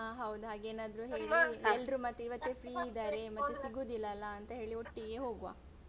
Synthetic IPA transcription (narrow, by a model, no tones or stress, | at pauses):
aɦɐwud̪uɦaːɡeːnaːd̪ɐɾuɦeːɭiɛlɾumɐt̪ːuiʋɐt̪ːepʰɾiːid̪aːɾe̞mɐt̪ːusiɡuːd̪ilːɐɐlːɐːnt̪ɐɦe̞ːɭioʈːiɡe̞ɦoːɡuʋa̰ː